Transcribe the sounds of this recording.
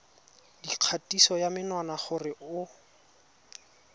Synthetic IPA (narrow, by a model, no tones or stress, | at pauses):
diq͡χʰatisɔjamɪnwanaχʊrɪʔʊ